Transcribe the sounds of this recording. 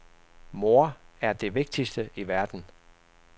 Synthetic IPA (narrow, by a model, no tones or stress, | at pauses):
mo̝ɐæɐd̥e̝ʋe̝ɡ̥̚d̥isd̥əʔiʋæɐd̥n̩